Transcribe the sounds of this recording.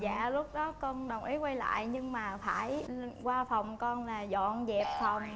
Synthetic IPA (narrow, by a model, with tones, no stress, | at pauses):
za̰ː˧˨lʊ˦˥k͡p̚ɗɔ˨˦kɔ˧nɗə˨˩wŋ͡mʔi˨˦kwa˧jla̰ː˧˨jɲɨ˧ŋmaː˨˩faː˧˩jkwaː˧fa˨˩wŋ͡mkɔ˧nlaː˨˩zɔ̰˧˨nzɛ˨˩p̚fa˨˩wŋ͡m